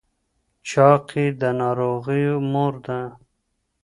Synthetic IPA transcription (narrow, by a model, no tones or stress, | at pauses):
t͡ɕɑːqʰid̪ənɑɾoːɣijmoɾd̪ã